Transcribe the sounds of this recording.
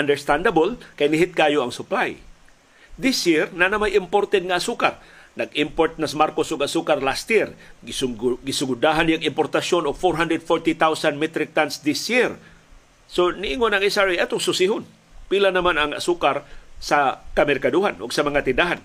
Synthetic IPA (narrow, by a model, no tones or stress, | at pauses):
ʔand̪ɛɹst̪and̪abolkajnɪɦɪt̪̚kaːjoɐŋsʊplaj | d̪ɪsjiɾnanamajɪmpoɾt̪ɛd̪̚ŋaːsukar | nɐɡimpoɾt̪̚nasamaɾkosʊɡasukarlast̪jiɾ | ɡɪsʊɡʊd̪aɦanjaŋɪmpoɾt̪asjonʊɡfoɾɦand̪ɾɛd̪foɾt̪it̪awsanmɛt̪ɾɪk̚t̪ansd̪ɪsjiɾ | sonɪʔiŋonaŋɛsaɹejʔat̪ʊŋsʊsiɦʊn | pilanɐmanɐŋa̰sukaɾsakamɛrkaduɦanʔʊɡsamɐŋat̪ɪnd̪aɦan